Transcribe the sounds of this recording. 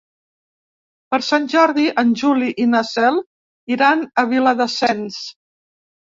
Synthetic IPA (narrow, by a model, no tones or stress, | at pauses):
pəɾsanʲʒɔɾðiʔənʲʒuliʔinəsɛlˠ | iɾanəβiləðəsɛns